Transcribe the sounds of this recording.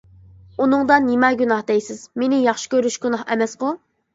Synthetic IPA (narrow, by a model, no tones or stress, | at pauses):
unɨŋd̪ɑnɪmɛɡʲunɑhd̪ɛjsɪzmenɪjɑχʃi̥kʲøɾyʃɡʲunɑhɛ̰mɛsqʊ